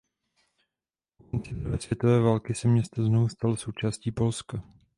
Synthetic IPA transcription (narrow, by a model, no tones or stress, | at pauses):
kant͡sɪvɛsv̥ʲjɛt̪ovɛːvaːlkɪsɛmɲɛst̪aznovust̪also̞wt͡ʃaːsciːpo̞lska